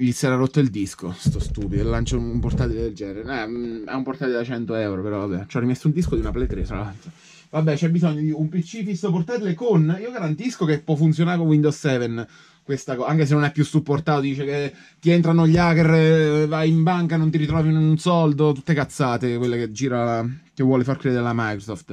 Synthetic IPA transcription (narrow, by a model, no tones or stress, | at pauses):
lisɛɾaɾot̪ːoild̪isko̰st̪ɔst̪uːpid̪ollant͡ʃaumport̪at̪iled̪eld͡ʒɛnnɾeɾeɛɛ̰umport̪at̪iled̪at͡ʃɛnt̪oɛwɾopeɾɔvabːɛ̰t͡ʃɛrːimɛst̪ound̪iskod̪iunaplɛt̪ɾet̪ɾa̰lalt̪ɾo | vabːɛt͡ʃɛbːizɔɲːod̪iumpit͡ʃːifisːoport̪at̪ilekoniːoɡaɾant̪iskokepːwɔfːunt̪sjonaɾekowind̪ossɛːven | kwest̪akɔaŋkes̬enːonɛpːjusːupːort̪aːt̪od̪iːt͡ʃeke | t̪ːient̪ɾanoʎːaːkervajimbaŋkanont̪̬iɾit̪ɾɔːvinoinunsɔld̪ot̪ut̪ːekat̪sːaːt̪ekwelːeked͡ʒiːɾalakevːwɔːlefarkɾɛːd̪eɾelamajkɾosɔft̪